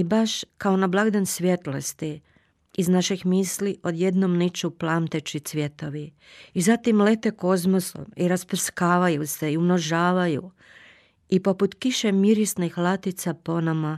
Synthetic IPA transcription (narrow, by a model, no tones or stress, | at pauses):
ibaʃkao̞nablˠaɡd̪ansʋje̞t̪lost̪i | iznaʃixmiːsliʔo̞d̪je̞d̪nomnit͡ʃuplˠamt̪e̞t͡ʃit̪sʋʲje̞t̪o̞ʋi | izat̪imle̞t̪e̞ko̞zmoso̰miɾasprskaːʋajuse̞iumno̞ʒaːʋaju | ipo̞put̪kiʃemiɾisnixlˠat̪it̪sapo̞nama